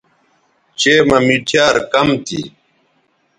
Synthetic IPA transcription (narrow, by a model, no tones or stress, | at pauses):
t͡ɕeːmɐmiʈʰjaːɾkɐmt̪ḭ